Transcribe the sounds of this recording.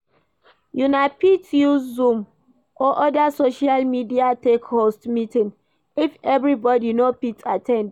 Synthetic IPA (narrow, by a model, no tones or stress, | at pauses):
junapitjuzũm | ɔʔɔdasoʃalmidiatekhostmitĩn | ifɛvɾibɔdinopitʰatʰɛ̃nd